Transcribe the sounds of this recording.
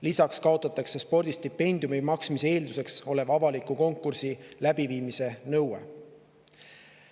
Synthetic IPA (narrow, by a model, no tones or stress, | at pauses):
lisɑkskɑo̞t̪ːˑɑt̪ːˑɑkse̞spo̞rd̪̥ist̪ipːe̞nʲd̪̥ijumimɑksmisee̞ːld̪use̞kso̞le̞vɑvɑlikːuko̞ŋkːˑursilæb̥iviːmise̞nɤwḛ